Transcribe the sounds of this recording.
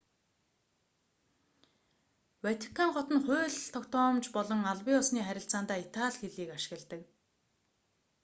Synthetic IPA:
wæt̪ʰi̥kʰːaŋχɔt̪ə̆nχʊːɮt̪ʰɔkt̪ɔːmt͡ɕpɔɮɞ̆ŋaɮwiːɔsniːχæɾʲɪ̆ɬt͡saːnt̪aːit̪ʰaɮxeɮiːkaʃɪ̥̆ɣə̆ɮt̪ə̆k

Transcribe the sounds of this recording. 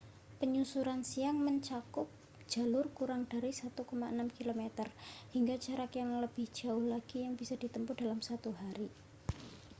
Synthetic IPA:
pəɲusuɾansiaŋməɲt͡ʃakʊp̚ | d͡ʒ̥a̤lʊrkuɾaŋd̥aɾisat̪ukɔmaʔənamkilomet̪ərhiŋɡḁd͡ʒaɾakjaŋləb̥ɪhd͡ʒ̥a̤ʊhlaɡ̥ijaŋbisad̥it̪əmpʊd̥alamsat̪uɦaɾi

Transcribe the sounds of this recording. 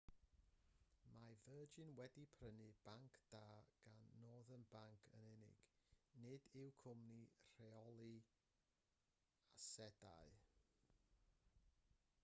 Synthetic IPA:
mavəːd͡ʒɪnwɛdipʰrənɨb̥aŋkʰd̥aːɡ̥anːoːðənbaŋkʰə̰nɪnɪ̰ɡ̥nɪdɪwkʰʊmnir̥ɛɔlˠi | asɛda̰ɨ

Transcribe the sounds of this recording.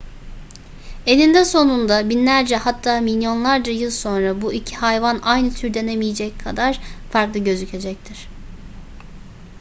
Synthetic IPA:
e̞lind̪ɛso̞nund̪abinlʲæɾd͡ʒɛhat̪ʰːaːmilʲjo̞nlˠaɾd͡ʒajɯlˠso̞nɾabuʔicʰi̥hajvanʔajnɯt̪ʰyɾd̪enemijed͡ʒɛckʰad̪aɾ̥faɾklˠɯɟø̞zycʰe̞d͡ʒɛc̚t̪ʰiɾ̥

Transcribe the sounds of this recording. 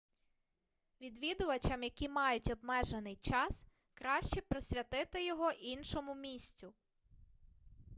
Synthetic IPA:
ʋʲid̪ʋʲid̪ʊʋɐt͡ʃɐmjɐkʲimɑjʊtʲɔbmɛʒenɪjt͡ʃɑs | kɾɑʃt͡ʃɛpɾɔsʲʋʲɐt̪ɪt̪ɪjɔɦɔʔinʃɔmʊmʲisʲt͡sʲʊ

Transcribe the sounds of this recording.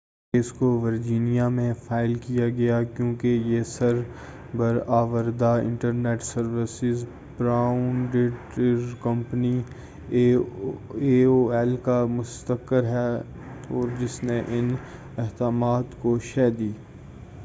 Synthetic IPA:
keːskoʋəɾd͡ʒiːnijamẽfaːɪlkijaɡɐjakjõːkejesɐɾ | bɐɾaːʋəɾd̪aɪ̰̃ɳʈəɾneːʈsɐɾʋɪsɪz | bɾaːʊnɖeʈɾkɐmpəni | eoɛlkamʊst̪əkːəɾɦɛ | ɔːɾd͡ʒɪsneʔɪn | ɪɦd̪aːmaːt̪koʃɛːd̪iː

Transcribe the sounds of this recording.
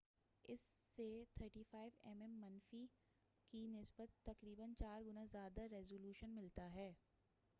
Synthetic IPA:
ɪsːet̪ʰəɾʈiːfaːɪʋɛmɛmːɐnfi | kinɪsbət̪ːɐkɾiːbənt͡ʃaːɾɡʊnazjaːd̪aɾɛzoːljuːʃənmɪlt̪aɦɛː

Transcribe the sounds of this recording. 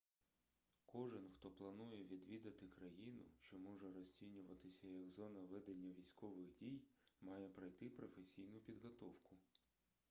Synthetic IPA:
kɔʒɪnxt̪ɔplˠɐnujɛʋʲid̪ʋʲid̪ɐt̪ɪkɾɐjinʊ̰ʃt͡ʃɔmɔʒɛɾɔsʲt͡sʲinʲʊʋɐt̪ɪsʲɐjɐɡzɔnɐʋɪd̪ɐnʲːɐʋʲijsʲkɔʋɪɣdʲijmɑjɛpɾɐjt̪ɪpɾɔfesʲijnʊpʲid̪ɦɔt̪ɔwkʊ

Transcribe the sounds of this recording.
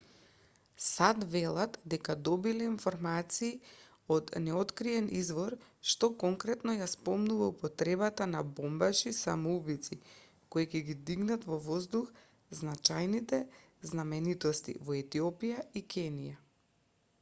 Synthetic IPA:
sad̪vɛlˠat̪d̪ɛkad̪ɔbilɛinfɔɾmat̪siː | od̪nɛɔt̪kɾiɛnizvɔɾʃt̪ɔkɔŋkɾɛt̪nɔjaspɔmnuvaupɔt̪ɾɛbat̪anabɔmbaʃisa̰mɔubit̪si | koikɛɡid̪iɡnat̪vɔvɔzd̪ux | znat͡ʃajnit̪ɛ | znamɛnit̪ɔst̪ḭvɔɛt̪iɔpijaikɛnija

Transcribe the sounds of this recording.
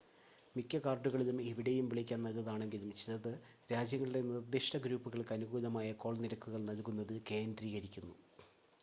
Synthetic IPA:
mikːɐkaːrɖuɣɐɭilumeʋiɽejumʋiɭikʲːaːnːɐlɐðaːɳe̞ŋɡilumt͡ɕilɐðɨ | ɾaːd͡ʑjɐŋːɐɭiɽe̞nird̪iʂʈɐɡɾuːpːuɣɐɭkɐnuɣuːlɐmaːjɐko̞ːɭniɾɐkːuɣɐɭnɐlkunːɐðɨke̞ːnd̪riːɣɐɾikʲːunːu

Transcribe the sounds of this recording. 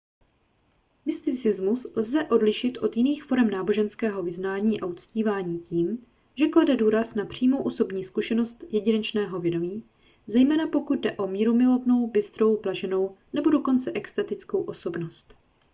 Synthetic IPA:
mɪst̪ɪt͡sɪzmuslzɛʔo̞dlɪʃɪt̪ʔo̞t̪jɪniːxfo̞ɾɛmnaːbo̞ʒɛnskɛːɦo̞vɪznaːɲiːʔaʔut͡sciːvaːɲiːciːm | ʒɛkladɛduːɾasnapr̝̥iːmo̞wʔoso̞bɲiːskuʃɛno̞st̪jɛɟɪnɛt͡ʃnɛːɦo̞vjɛdo̞miː | zɛjmɛːnapo̞kud̪̚dɛʔo̞miːɾomɪlo̞vno̞wbɪst̪ɾo̞wplaʒɛno̞wnɛbo̞do̞ko̞nt͡sɛʔɛkst̪at̪ɪt͡sko̞wʔo̞so̞bno̞st̪

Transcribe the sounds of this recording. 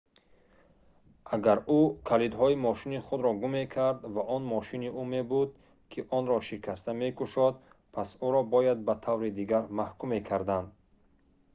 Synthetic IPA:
ʔaɡaɾukʰalid̪ɦɔimɔʃiniχud̪ɾɔɡume̞kʰaɾd̪vaʔɔnmɔʃiniʔume̞bud̪ | kʰiʔɔnɾɔʃikʰast̪ame̞kuʃɔd̪̚ | pʰasuɾɔbɔjad̪̚bat̪ʰavɾid̪iɡaɾmahkʰumekʰaɾd̪and̪

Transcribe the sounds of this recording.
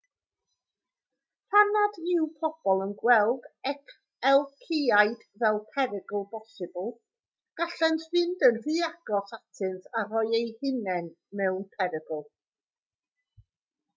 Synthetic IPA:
pʰanadɪwpʰɔb̥ɔlˠənɡwɛlˠɡɛkʰ | ɛlˠkʰiajd̥ | vɛlˠpʰɛɾɪɡəl̩ˠbɔsɨbəlˠ | ɡ̥aɬɛntʰɪndənr̥iːaɡ̥ɔsatʰɨnθaɾɔɨejhɪnɛn | mɛwnpʰɛɾɪɡəlˠ

